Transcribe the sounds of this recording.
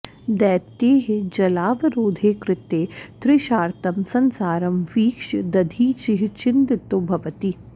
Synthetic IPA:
d̪ɛːt̪eːɦed͡ʒɐlaːʋɐɾoːd̪ʱeːkɾɪt̪eːt̪ɾɪʃaːɾt̪ɐmsɐnsaːɾɐmʋiːkʃd̪ɐd̪ʱiːt͡ʃɪɦit͡ʃɪnt̪ɪt̪ːobʱɐʋət̪i

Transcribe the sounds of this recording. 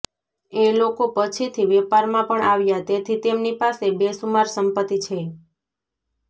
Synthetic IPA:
elokopət͡ʃʰit̪ʰiʋepaɾmãpəɳaʋjat̪et̪ʰit̪emnipasebesumaɾsəmpət̪ːit͡ʃʰe

